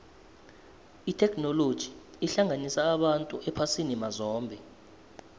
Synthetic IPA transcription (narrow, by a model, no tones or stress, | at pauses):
itʰɛkʰʼnɔlod̥ʒ̥ʱiː | ɬaŋʱanisaːɓantʼuʔɛpʰasinimazɔːmbʱɛ